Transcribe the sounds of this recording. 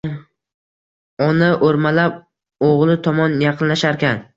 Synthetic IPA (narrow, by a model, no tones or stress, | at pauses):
ɒnaʔoɾmalap̚ | oʁlˠɪt̪ʰɒmɒnjɑqʰɨnlaʃaɾkʲan